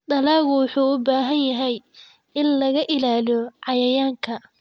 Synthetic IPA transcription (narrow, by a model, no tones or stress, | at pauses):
ɖɐlaːɣʊwɑħuːʊbaːɦɐnjɐɦɛj | ʔɪnlɐɣɐʔɪlaːliɔʕɑjɐjaːŋkʰɐ